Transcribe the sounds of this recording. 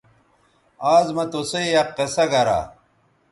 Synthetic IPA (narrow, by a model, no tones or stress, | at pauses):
aːzmɐt̪osejjɐqːesɐɡɐɾa̰